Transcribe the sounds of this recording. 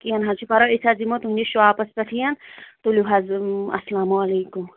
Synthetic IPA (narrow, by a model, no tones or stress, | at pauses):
kijɐnɦɐt͡ʃʰipɐɾoisazimot̪ɦũnʲiʃuaːpɐspɐt̪ʰijɐnt̪ulʲuɦɐzɐ̰slaːmuɐleːkum